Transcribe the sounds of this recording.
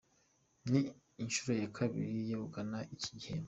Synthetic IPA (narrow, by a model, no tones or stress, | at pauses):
niː | nʃuɾo̞jakʰaβḭɾijehukanaʔici̥ɟihemb